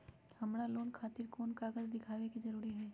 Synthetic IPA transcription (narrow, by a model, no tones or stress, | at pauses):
hɐmɾaloːnkʰaːt̪ɪɾkoːnkaːɡəzd̪ɪkʰaːʋekizɐɾuːɾiɦɛː